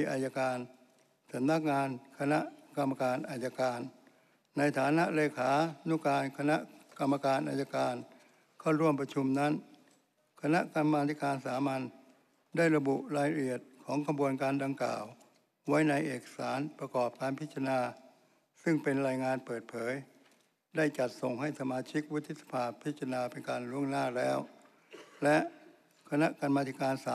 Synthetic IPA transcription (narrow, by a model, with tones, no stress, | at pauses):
i˧ʔaː˧ja˧kaː˧n | sa˨˦mna˦˥˩k̚ŋaː˧nkʰa˧na˦˥ʔka˧mːa˧kaː˧nʔaː˧˩ja˧kaː˧nː | a˧jt̪ʰaː˩˦na˦˥ʔleː˧kʰaː˩˦nu˦˥˨kaː˧nkʰa˧na˦˥ʔka˧mːa˧kaː˧nʔaː˧ja˧kaː˧n | kʰa˥˩wɾu˥˩əmpɾa˧t͡ɕʰu˧mna˦˥n | kʰa˧na˦˥ʔka˧mːaː˧t̪ʰi˦˥kaː˧nsaː˩˦ma˧n | daː˥˩jɾa˧bu˨˩ʔɾaː˧jɾa˧ʔi˨˩ət̪̚kʰɔː˩˦ŋkʰa˧bu˧ənkaː˧nda˧ŋkla̰ː˨˩w | wa˦˥jna˧jʔeː˨˩kḁ˧saː˩˦npɾa˧kɔː˨˩p̚kaː˧npʰi˦˥t̪̚t͡ɕʰa˧naː˧ | sɯ˥˩ŋpe˧nɾaː˧jŋaː˧npɤː˨˩t̪̚pʰɤː˩˦j | da˥˩jt͡ɕa˨˩t̪̚so˨˩ŋha˥˩jsa˧maː˧t͡ɕʰi˦˥k̚wu˦˥t̪ʰːi˦˥t̪sḁ˧pʰaː˧pʰi˦˥t̪̚t͡ɕʰːa˧naː˧pe˧nkaː˧nɾu˥˩əŋnaː˥˩lɛː˦˥w | lɛ˦˥ʔ | kʰa˧na˦˥ʔka˧nmaː˧t̪ʰi˦˥kaː˧nsaː˨˦